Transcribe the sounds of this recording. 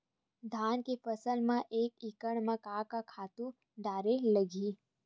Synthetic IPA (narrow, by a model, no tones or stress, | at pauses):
d̪ʱaːnkefəsəlmãʔeːkɪkəɽ̃mãkaːkakʰaːt̪ũ | ɖaːɾeləɡiː